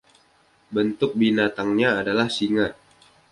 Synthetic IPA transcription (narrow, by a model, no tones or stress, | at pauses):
bənt̪ʊk̚binat̪aŋɲaːdalahsiŋat̪̚